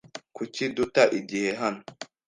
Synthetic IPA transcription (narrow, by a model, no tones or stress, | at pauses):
kut͡ʃidutaʔidiheɦan